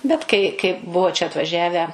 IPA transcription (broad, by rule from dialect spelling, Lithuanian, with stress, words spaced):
ˈbʲɛt kɐɪ kɐɪ ˈbʊʋoː t͡ʃʲɛ ɐtʋɐˈʒʲæːʋʲæː